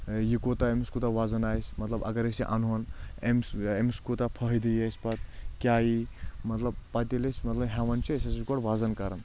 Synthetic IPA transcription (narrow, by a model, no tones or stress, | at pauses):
jikot̪aemiskut̪aʋaːzɐnaːjsʲmɐt̪lɐbɐ̰ɡɐɾesiʔɐ̰nɦonemsemiskut̪apʰɐɦd̪ijesʲpɐt̪̚kʲjaːjimɐt̪lɐb̚pɐt̪ilisʲmɐt̪lɐbɦeʋɐnt͡ʃʰiesɐsjikoɽʋaːzɐnkɐɾɐn